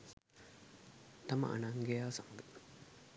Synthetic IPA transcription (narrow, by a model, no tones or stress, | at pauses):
t̪ɐmɐ̰ʔɐ̰naŋɡejaːsɐməɡə